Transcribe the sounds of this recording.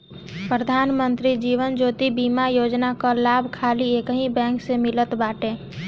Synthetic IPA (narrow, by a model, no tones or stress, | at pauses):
pɾəd̪ʱaːnmənt̪ɾid͡ʒiːʋənd͡ʒoːt̪ibiːmajoːd͡ʒnakalaːbʱkʰaːlieːkɦĩbɛ̃ːŋksemɪlət̪baːʈẽː